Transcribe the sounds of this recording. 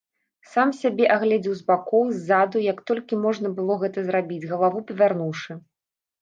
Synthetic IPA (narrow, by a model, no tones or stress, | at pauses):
samsʲabʲɛʔaɣlʲɛd͡zʲiwzbakɔwzʲːad̪ujɐkt̪ɔlʲkʲimɔʐn̪ɐbɨlˠɔɣɛt̪ɐzɾabʲid͡zʲɣɐlˠavupɐvʲarnuwʂɨ